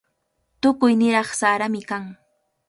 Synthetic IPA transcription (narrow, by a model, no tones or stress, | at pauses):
t̪ʊkʊjnɪɾɑχsaːɾamɪkaŋ